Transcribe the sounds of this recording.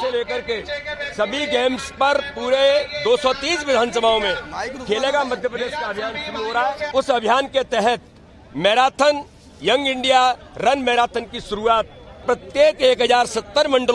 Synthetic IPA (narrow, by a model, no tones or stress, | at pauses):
eleːkəɾkesɐbʱiɡeːmspɐɾpuːɾed̪oːsɔt̪ĩːsʋɪd̪ʱaːnsəbʱaõmẽkʰeːleːɡamɐd̪ʱjəpɾəd̪eːʃkaɐbʱjaːnkʊiɦoːɾaɦɛːʊsɐbʱjaːnket̪ɛɦɛt̪ | mɛːɾaːt̪ʰən | jɐ̃ŋɡɪ̃ɳɖija | ɾɐnmɛːɾaːt̪ʰənkiʃʊɾuaːt̪̚pɾət̪jeːkeːkɦəzaːɾsɐt̪ːəɾmɐ̃ɳɖəl